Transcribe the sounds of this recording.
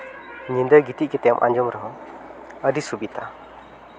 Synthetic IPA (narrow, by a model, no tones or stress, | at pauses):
ɲind̪əɡit̪iʔkit̪ɛmʔa̰ɲd͡ʒɔmɾɔɦɔ | əd̪isubit̪ʰa